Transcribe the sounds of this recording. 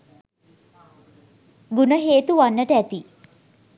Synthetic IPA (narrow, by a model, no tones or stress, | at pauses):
ɡunəɦeːt̪uʋanːəʈəæt̪i